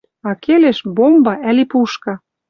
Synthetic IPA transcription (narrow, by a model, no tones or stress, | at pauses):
ɑkʰeleʃbombɑʔælipuʃkɑ